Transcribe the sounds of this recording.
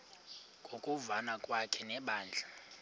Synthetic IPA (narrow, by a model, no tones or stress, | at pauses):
kʼokʼuvanakʼwakʰɛnɛɓaːnd͡ɮʱa